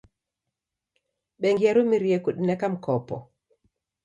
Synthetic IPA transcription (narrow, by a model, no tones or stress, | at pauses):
ɓɛŋɡiaɾumiɾiekuɗinɛkamkɔpɔ̰